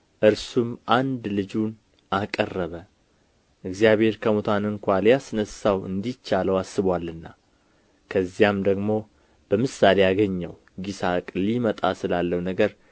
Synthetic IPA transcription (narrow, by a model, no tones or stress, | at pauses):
ʔɨɾsumʔand̪lɨd͡ʒun | ʔakʼərːəβə | ʔɨɡzjaβhe̞ɾkʰəmot̪ʰanɨŋkʷaljasɨnəsawɨ̰nd̪it͡ʃːaləwasːɨβwalːɨnːa | kʰəzːijamd̪əɡmo̞ | b̥əmɨsːale̞jaɡəɲːəw | ɡisakʼlimət̪ʼasɨlalːəwnəɡəɾ